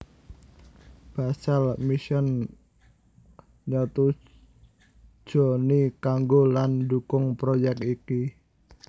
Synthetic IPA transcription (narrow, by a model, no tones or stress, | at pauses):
b̥asalmiʃən | ɲɔt̪u | d̥ʒ̥o̤nikaŋɡolandukʊŋpɾojɛk̚tiki